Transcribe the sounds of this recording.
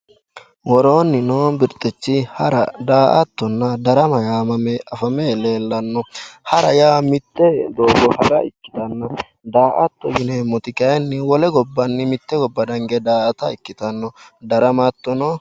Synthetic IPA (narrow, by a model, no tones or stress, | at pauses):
wɔɾoːnːɪnobɪɾt̪ʼːɛt͡ʃːɪhɐɾɐ̰d̪aːʔɐt̪ːɔnːɐd̪ɐɾɐmɐjaːmɐmɛʔɐfɐmele̞ːlːɐnːɔhɐɾɐjaːmɪt̪ːɛd̪o̞ːɡɔhɐɡɐʔɪkːɪ̥t̪ɐnːɐ | d̪aːʔɐt̪ːɔɡɪnɛmɔt̪ɪkɐjnːɪwɔlɛɡɔbːɐnːɪmɪt̪ːɛɡɔbːɐd̪ɐŋɡɛd̪aːʔɐt̪ɐɪkːɪt̪ɐnːɔd̪ɐɾɐmat̪ːɔnɔ